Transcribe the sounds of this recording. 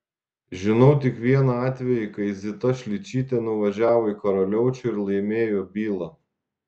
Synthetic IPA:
ʒʲɪnɔʊt̪ʲɪkʋʲiɛnɐɑːt̪ʲʋʲɛjikɐɪzʲɪt̪ɐʃʲlʲɪt͡ʃʲiːt̪ʲenʊʋɐʒʲæːʋoːikɐɾɔlʲɛʊt͡ʃʲʊɪɾlˠɐɪmʲeːjoːbʲiːlˠɐ

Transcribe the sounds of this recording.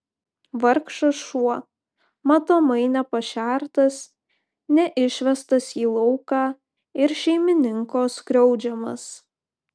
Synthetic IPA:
ʋɐɾkʃɐʃuɔ | mɐt̪oːmɐɪnʲɛpɐʃʲæˑɾt̪ɐs | nʲɛʔɪʃʲʋʲɛst̪ɐsiːlˠɔʊkɑː | ɪɾʃʲɛɪmʲɪnʲɪŋkoːskɾʲɛʊd͡ʒʲɛmɐ̰s

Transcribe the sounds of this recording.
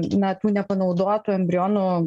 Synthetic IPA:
nɐt̪uːnʲɛpɐnɒʊd̪oːjɛt̪uːɛmʲbʲɾʲɪjoːnu

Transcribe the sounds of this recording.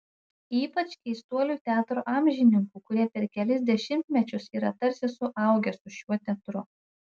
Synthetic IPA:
iːpɐt͡ʃʲkʲɛɪst̪uɔlʲuːt̪ʲæːt̪ɾoːʔɑːmʲʒʲɪnʲɪŋkuːkʊɾʲiɛpʲɛɾkʲɛlʲɪsd̪ʲɛʃʲɪmʲt̪ʲmʲɛt͡ʃʲʊsiːɾɐt̪ɐɾʲsʲɪsʊʔɐˑʊɡʲɛsʊʃʲuɔt̪ʲɛt̪ɾʊ

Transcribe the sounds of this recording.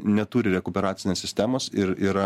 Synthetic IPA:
nʲɛt̪uːɾʲɪɾʲɛkʊpʲɛɾɑːt̪sʲɪnʲeːssʲɪsʲt̪ʲæːmoːsɪɾiɾɐ

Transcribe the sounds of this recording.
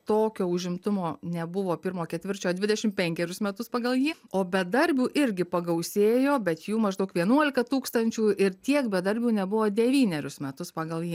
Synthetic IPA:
t̪oːkʲoːʊʒʲɪmt̪ʊmoːnʲɛbʊʋoːpʲɪɾmoːkʲɛt̪ʲʋʲɪrʲt͡ʃʲoːd̪ʲʋʲɪd̪ʲɛʃʲɪmpʲɛŋʲkʲɛɾʲʊsmʲɛt̪ʊspɑːɡɐlˠjiːoːbʲɛd̪ɐɾʲbʲuːʔɪɾʲɡʲɪpɐɡɐʊsʲeːjoːbʲɛt̪juːmɐʒd̪ɐʊkʋʲiɛnuɔlʲɪkɐt̪uːkst̪ɐnʲt͡ʃʲuːɪrt̪ʲiɛkbʲɛd̪ɐɾʲbʲuːnʲɛbʊʋoːd̪ʲɛʋʲiːnʲɛɾʲʊsmʲɛt̪ʊspɑːɡɐlˠjiː

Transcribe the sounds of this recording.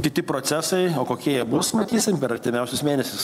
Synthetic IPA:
kʲɪt̪ʲɪpɾoːsʲæsɐɪoːkoːkʲiɛjɛbʊsmɐt̪ʲiːsʲɪmpʲɛɾɐɾʲt̪ʲɪmʲɛʊsʲʊsmʲeːnʲɛsʲʊs

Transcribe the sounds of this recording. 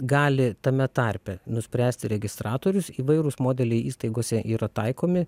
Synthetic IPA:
ɡɑːlʲɪt̪ɐmʲɛt̪ɐɾʲpʲɛnʊsʲpʲɾʲæːsʲt̪ʲɪɾʲɛɡʲɪst̪ɾɑːt̪oːɾʲʊsiːʋɐɪɾʊsmoːd̪ʲɛlʲɛɪʔiːst̪ɐɪɡoːsʲɛʔiːɾɐt̪ɐɪkoːmʲɪ

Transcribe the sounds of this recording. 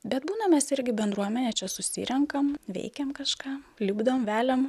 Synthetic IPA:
bʲɛt̪buːnɐmʲɛsɪɾʲɡʲɪbʲɛnd̪ɾuɔmʲɛnʲɛːt͡ʃʲɛsʊsʲɪ̰ɾʲɛŋkɐmʋʲɛ̰ɪkʲɛmkɐʃkɑːlʲɪbd̪ɐʋomʋʲæːlʲɛm

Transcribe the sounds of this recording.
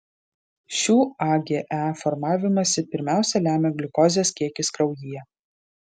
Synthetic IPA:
ʃʲuːɑɡʲeːʔæfɔɾmɑːʋʲɪmɐsʲɪpʲɪɾʲmʲæˑʊsʲɛlʲæːmʲeːɡʲlʲɪkɔːzʲeskʲiɛkʲɪskɾɐʊjijɛ

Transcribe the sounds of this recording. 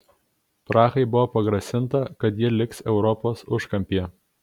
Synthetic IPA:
pɾɑːxɐɪbʊʋoːpɐɡɾɐsʲɪnˑt̪ɐkɐt̪jɪlʲɪksɛʊɾɔpoːsʊʃkɐmʲpʲiɛ

